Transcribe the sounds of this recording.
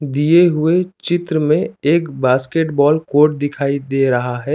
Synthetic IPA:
d̪ijeɦʊet͡ʃɪt̪ɾəmẽeːkbaːskeʈbɔːlkoːɾʈ̚d̪ɪkʰaːid̪eːɾɐɦaɦɛː

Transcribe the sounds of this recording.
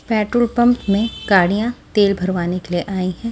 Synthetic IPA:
pɛːʈɾəlpɐ̃mpmẽɡaːɽijãt̪eːlbʱɐɾʋaːnekelieʔaːĩɦɛ̃ː

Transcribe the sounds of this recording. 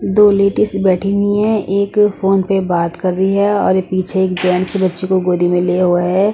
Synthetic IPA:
d̪oːleːʈɪsbɛːʈʰimĩɛ̃ʔeːkfoːnpebaːt̪kɐɾːəiɦɛɔːɾepiːt͡ʃʰeeːkd͡ʒɛːnsebɐtːʃekoɡoːd̪imẽleːɦoeɦɛː

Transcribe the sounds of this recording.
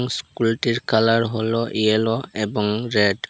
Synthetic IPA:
ŋskultiɹkʰalaɹɦɔlɔʔiɛlɔɛbɔŋɹɛd

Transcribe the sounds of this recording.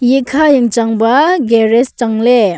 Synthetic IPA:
jikʰajɯŋt͡ʃaŋbɐɡeɾest͡ʃaŋle

